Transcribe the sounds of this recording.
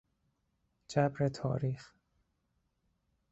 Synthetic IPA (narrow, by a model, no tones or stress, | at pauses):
d͡ʒæbɾet̪ʰɒ̰ːɾiːx